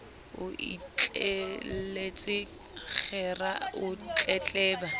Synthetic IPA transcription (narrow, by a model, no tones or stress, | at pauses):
ʊḭt͡ɬʼelet͡sʼɪ | k͡xɛraʊt͡ɬʼɛt͡ɬʼɛːba